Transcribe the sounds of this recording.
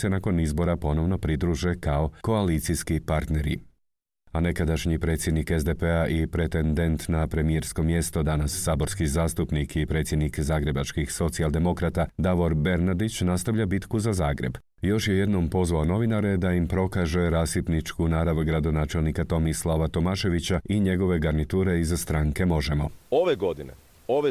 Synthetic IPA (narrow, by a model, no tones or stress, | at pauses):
se̞nako̞nizbo̞ɾapo̞no̞ʋno̞pɾid̪ɾuʒekao̞ko̞aliːt̪sijskipaɾt̪ne̞ɾḭ | ane̞kad̪aʃɲipɾe̞ːt̪sʲjed̪nikezd̪epeaʔipɾe̞t̪end̪e̞nt̪napɾe̞mieɾsko̞mje̞st̪o̞d̪anasːaːbo̞ɾskizaːst̪upnikipɾe̞ːt̪sjed̪nikzaːɡɾe̞bat͡ʃkixso̞t̪siald̪e̞mo̞kɾat̪ad̪aʋo̞ɾbe̞ɾnad̪it͡ɕnast̪aʋʎabit̪kuzazaːɡɾe̞b | jo̞ʃje̞je̞d̪no̞mpo̞zʋaono̞ʋinaɾe̞d̪aimpɾo̞kaʒeɾaːsip̪nit͡ʃkunaːɾaʋɡɾad̪o̞naːt͡ʃe̞lˠnikat̪o̞mislaʋat̪o̞maʃe̞ʋit͡ɕaiɲe̞ɡo̞ʋe̞ɡaɾnit̪uːɾe̞izst̪ɾaŋke̞mo̞ʒe̞mo̞oʋeɡo̞d̪inḛ | oʋe